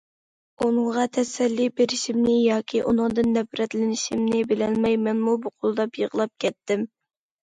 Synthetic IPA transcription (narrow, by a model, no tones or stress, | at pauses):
unɨŋʁɑt̪ʰɛsɛlːibeɾɪʃimnɪjɑːkʲʰiʔunɨŋd̪ɨnːɛpɾɛt̪lɪnɪʃimnɪbɪlɛnmɛjmɛnmubuqʰolˠɨd̪ɑpjəʁəlˠɑp̚kʲʰɛt̪ːɪm